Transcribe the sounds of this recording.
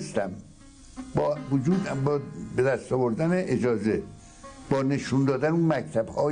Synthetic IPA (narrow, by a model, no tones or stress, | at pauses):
st̪æm | bɒːvod͡ʒuːd̪bbed̪æst̪ɒːvoɾd̪æneʔed͡ʒɒːze | b̥ɒːne̞ʃund̪ɒːd̪ænunmæcʰt̪ʰæbhɒː